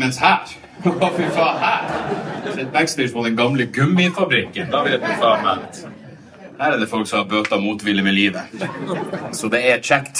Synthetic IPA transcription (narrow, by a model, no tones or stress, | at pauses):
ənshæːɾ | ʋɑːfɪfɑːhæːɾæɾɛt̪̚bæɡst̪ɛːʂmɔd̪ɛnɡɑmləɡʉmːɪfɑbɾɪkːənd̪ɑːʋɛːt̪d̪ɪfɑːmæt̪ | hæːɾæd̪ɛfɔlksɔmhɑɾbøːt̪ɑmuːt̪ʋɪləmɛliːʋə | sɔd̪ɛæt͡ʃækt̪